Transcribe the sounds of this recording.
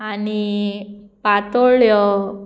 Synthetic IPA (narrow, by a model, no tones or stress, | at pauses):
ani | pat̪oɭjɔ